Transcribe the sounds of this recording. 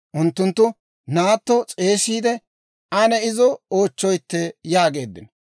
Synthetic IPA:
ʔʊnt̪ːʊnt̪ːʊ | naːt̪ːɔt͡sʼe̞ːsiːd̪ɛ | ʔɐnɛɪzɔoːt͡ʃːɔjt̪ːɛjaːɡe̞ːd̪ːɪ̰n

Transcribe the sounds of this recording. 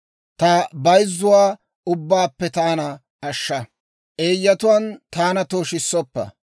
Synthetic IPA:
t̪ɐbɐjzːʊwaː | ʊbːaːpːɛt̪aːnɐ | ɐʃːɐ | ʔeːjːɐt̪ʊwɐnt̪aːnɐt̪oːʃɪsːɔpːɐ̰

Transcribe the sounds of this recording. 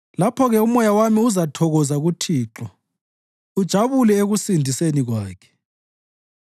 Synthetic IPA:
lapʰɔɣɛumɔjawamiuzatʰɔɣɔzaɣutʰiːǁɔ | ud̥ʒ̥ʱaβulɛeɣusindʱiseniɣwaːkʰɛ̥

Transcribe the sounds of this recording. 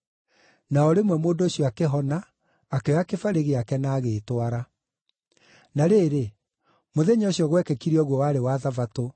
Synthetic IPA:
naɔɾemwɛmoːndoːɕjɔakeɦɔnaː | keɔakefaɾeɣeakɛnaːɣeːtwaɾa | naɾeːɾe | moðeɲoɕjɔɣwɛkɛkiɾiɔɣwɔwaɾewaðavato

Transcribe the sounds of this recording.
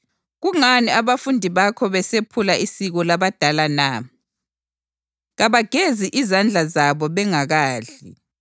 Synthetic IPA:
ɣuŋaniaβafundʱiβakʰɔβɛsepʰulaisiɣɔlaβad̥ʱalana | ɣaβaɡ̥ʱeziʔizand͡ɮʱazaβɔβɛŋaɣaːɮi

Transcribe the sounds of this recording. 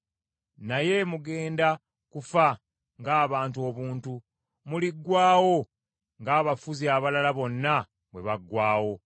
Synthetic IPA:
naje̞muɡe̞ːnda | kufa | ŋɡaːβaːntuo̞βuːntu | muliɡːwaːwo̞ | ŋɡaːβafuziaβalalaβo̞nːa | βwe̞̰βaɡwaːwo̞

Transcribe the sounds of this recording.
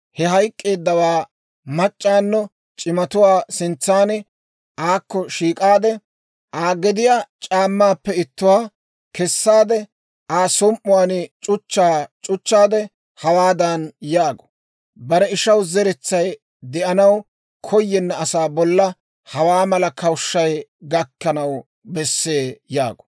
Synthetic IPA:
hɛɦɐjkʼːe̞ːd̪ːɐwaː | mɐt͡ʃʼːaːnːɔ | t͡ʃʼɪmɐt̪ʊwaːsɪnt͡sːaːnɛ | ʔaːkːɔʃiːkʼaːd̪ɛ | ʔaːɡɛd̪ɪjaːt͡ʃʼaːmːaːpːɛɪt̪ːʊwaː | kɛsːaːd̪ɛ | aːsɔmʔʊwaːnɪt͡ʃʼʊt͡ʃːaːt͡ʃʼʊt͡ʃːaːd̪ɛ | hɐwaːd̪ɐnjaːɡɔ̥ | bɐɾɛɪʃɐwzɛɾɛt͡sːɐj | d̪ɛʔɐnɐw | kʰɔjːɛnːɐːsaːbɔlːɐ | hɐwaːmɐlɐkɐwʃːɐjɡɐkːɐnɐw | bɛsːeːja̰ːɡɔ̥

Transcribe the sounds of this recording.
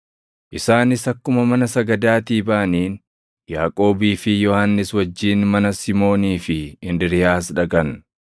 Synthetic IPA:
ʔɪsaːnɪsɐkːʊmɐmɐnɐsɐɡɐd̪aːt̪iːbɐʔɐniːn | jaːkʼo̞ːbiːfɪjɔhanːɪswɐd͡ʒːiːnmɐnɐsɪmo̞ːniːfɪɪnd̪ɪɾɪjaːs̬ᶑɐɡɐn

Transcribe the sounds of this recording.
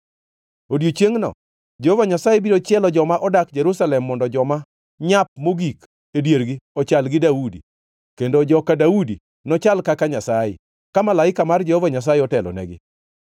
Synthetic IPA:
odjot͡ʃjeŋnɔ̰ | d͡ʒehovaɲasajebiɾot͡ʃɛlɔd͡ʒɔmaʔɔdakd͡ʒɛɾusalɛmːɔndɔd͡ʒɔma | ɲap̚moɡik | edjeɾɡɪɔt͡ʃalɡɪdaudḭ | kendod͡ʒɔkadaudi | nɔt͡ʃalkakaɲasajɪ̰ | kamalaɪkamard͡ʒɛhɔvaɲas̬ajɪɔtɛlɔ̰nɛ̰ɡɪ̰

